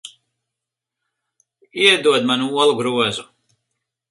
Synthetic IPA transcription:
iɛd̪uɔd̪manuuɔlˠuɡɾuɔzu

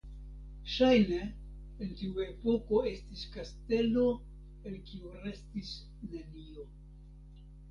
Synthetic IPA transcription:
ʃajne̞ː | ntiue̞po̞ko̞e̞stiskaste̞lo̞ | elkiuɾe̞stis | nenio̞

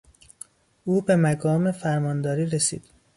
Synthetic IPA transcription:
ʔuːbe̞mæɡɒːme̞fæɾmɒːnd̪ɒːɾiːɾesḭːd̪̥

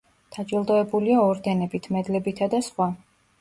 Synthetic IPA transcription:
d̪̥ad͡ʒilˠd̪ɔɛbuliaɔɾd̪ɛnɛbit̪ʰmɛd̪lɛbit̪ʰad̪asχwa

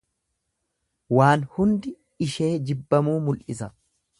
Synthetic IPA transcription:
waːnhʊnd̪ɪ | ɪʃe̞ːd͡ʒɪbːɐmuːmʊlʔɪsɐ

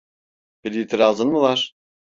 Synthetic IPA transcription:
b̥iɾjit̪ʰiɾalˠzɯnmɯlˠaɾ̥

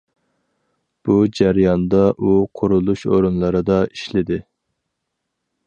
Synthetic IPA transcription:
b̥ud͡ʒæɾjɑnd̪ɑʔuqʰʊɾulˠuʃo̰ɾunlˠɨɾɨd̪ɑiʃlɪd̪ɪ

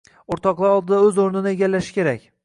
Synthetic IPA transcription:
oɾt̪ʰɒqlˠaɾɒlˠd̪ɪd̪aɵzoɾnɪnɪeɡʲalːaʃɪ̥kʲe̞ɾakʲ

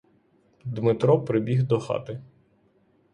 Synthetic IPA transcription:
d̪mɪt̪ɾɔpɾɪbʲiɣd̪ɔxɑ̰t̪ɪ

